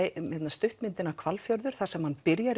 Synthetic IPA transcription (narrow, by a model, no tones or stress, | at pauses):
hɛt̪nast̪ʏht̪mɪnt̪ɪnakʰvalfjœɾðʏɾ̥θaɾsɛmhanpɪɾjaɾ